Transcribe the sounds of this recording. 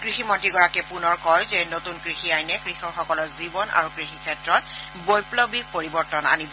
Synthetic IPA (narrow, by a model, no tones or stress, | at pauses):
kɹiximɔntɹiɡɔɹakɛpunɔɹkɔjzɛnotunkɹixiajnɛkɹixɔɹxɔkɔlɔɹzibɔnʔa̰ɹukɹixikʰɛtɹɔt̚ | bojplɔbik̚poɹibɔɹtɔna̰nib